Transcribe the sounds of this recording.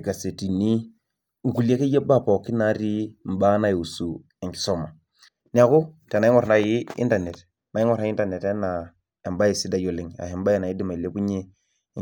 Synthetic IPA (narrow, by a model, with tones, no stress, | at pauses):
ɡa˨se˨ti˨ni˦ | ŋ̩˨ku˨li˦a˦ke˦je˦ba˦˨pa˨ki˦na˨˦ɾi˦m̩˨ba˦na˦ji˨u˨su˨ | e˨ŋki̥˨so˦ma˨ | ni˦a˨ku˦˨te˨n˨˦ŋo˦ɾna˨˦ji˦ḭ˦nta˨ne˨t | na˨˦i˦ŋo˦ɾa˦i˦n˦ta˨ne˨te˦na˨ | e˨mba˦ji˨si˦da˦jo˨li˨ŋa̰˨hi˨m˦ba˦e˨na˨i˦di˦ma˨i˨le˦pu˦ɲe˦˨